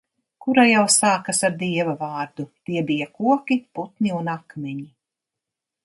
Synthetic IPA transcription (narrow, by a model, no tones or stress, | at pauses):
kuɾajawsaːkasaɾd̪iɛvavɑːɾd̪ut̪iɛbijakuɔkʲiput̪nʲiunakmʲɛɲi